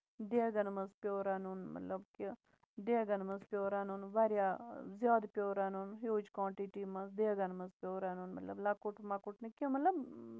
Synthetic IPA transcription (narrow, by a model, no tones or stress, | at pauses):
d̪eɡɐnmɐzpjoːɾaːnunmɐ̰t̪ləbke | d̪eɡɐnmɐzpʲjoːɾaːnunʋaːɾjaːzjaːd̪pjoːɾaːnunɦjoːd͡ʒkwãːɳʈiʈiːmɐzd̪eɡɐnmɐzpjoːɾaːnuːnmɐ̰t̪ləblaːkʊʈmakʊʈnikʲemɐt̪ləb